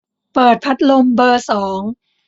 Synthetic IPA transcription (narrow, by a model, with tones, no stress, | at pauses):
pɤː˨˩t̪̚pʰa˦˥t̪̚lo˧mbɤː˧sɔː˩˦ŋ